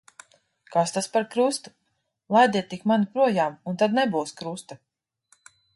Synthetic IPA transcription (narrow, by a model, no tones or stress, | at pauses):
kast̪aspaɾkɾust̪u | lˠajd̪iɛt̪ːikmanipɾuɔjaːmunt̪ad̪nɛbuwskɾust̪a